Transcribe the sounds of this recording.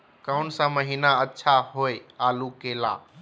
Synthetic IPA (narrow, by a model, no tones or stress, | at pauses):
kaʊɳsãməɦiːnaətːʃʰaɦoːeaːlukeːla̰ː